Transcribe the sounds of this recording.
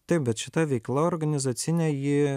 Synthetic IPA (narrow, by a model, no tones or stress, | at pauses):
t̪ɐɪp̚bʲɛt̪ʃʲɪt̪ɐʋʲɛɪklˠɐoːɾɡɐnʲɪzɐt̪sʲɪnʲɛːjɪ